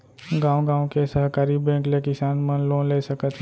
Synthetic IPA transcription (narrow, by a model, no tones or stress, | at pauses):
ɡãːwɡãːõkesəɦkaːɾibɛ̃ːŋklekɪsaːnmə̃nlõːnleːsəkət̪